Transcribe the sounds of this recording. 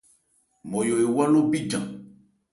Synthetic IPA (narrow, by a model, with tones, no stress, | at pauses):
mɔ˨jo˨e˨wa˦lo˦bi˦d͡ʒã˨